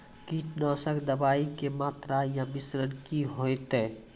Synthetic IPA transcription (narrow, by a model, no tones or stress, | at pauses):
kiʈnəsəkd̪əbaikemat̪ɾajãbisɾənkiɦojt̪ɛ